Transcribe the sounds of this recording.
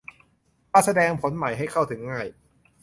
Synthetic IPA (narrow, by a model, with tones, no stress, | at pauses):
ʔa˧˩sa˧dɛː˧ŋpʰo˩˦nma˨˩jɦa˥˩jkʰa˥˩wt̪ʰɯ˩˦ŋːaː˥˩j